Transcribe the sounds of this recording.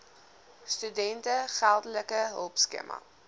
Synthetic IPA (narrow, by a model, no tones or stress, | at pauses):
stydɛntəχælˠdələkəɦə̰lˠpskḛmʔɐ̰